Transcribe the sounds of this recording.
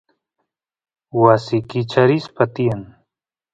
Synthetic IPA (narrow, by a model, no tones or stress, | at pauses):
wasikit͡ʃʰɐɾispɐt̪ijan